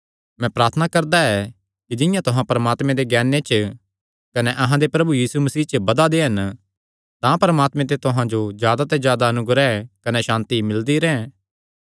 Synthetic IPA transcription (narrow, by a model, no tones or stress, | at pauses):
mɛ̃pɾaːɾt̪ʰnakɐɾd̪aɛ | kid͡ʒɪjãt̪ʊɦãpɐɾəmaːt̪mẽd̪eɡɛːnẽt͡ʃ | kɐnɛʔɐɦãd̪epɾɐbujiːsumɐsiːt͡ʃəbɐd̪ad̪eɦɐn | t̪ãpɐɾəmaːt̪mẽt̪et̪ʊɦãd͡ʒozjaːd̪at̪ɛzjaːd̪aɐnʊɡɾɛkɐnɛʃãːnt̪imɪld̪iɾɛ̃ː